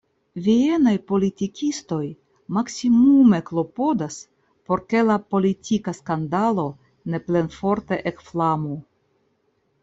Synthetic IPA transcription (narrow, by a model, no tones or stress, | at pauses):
vie̞najpo̞litikʲisto̞j | maksimume̞klo̞po̞das | po̞ɾke̞lapo̞litʰikaskandalo̞ | ne̞ple̞nfo̞ɾte̞ʔekflamu